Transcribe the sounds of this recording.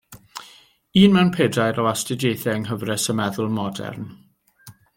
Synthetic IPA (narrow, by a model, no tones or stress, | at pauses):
iːnmɛwnpʰeːdajɾɔastɪdejθɛəŋɦəvrɛsəmɛðʊlˠmɔdɛ̰rn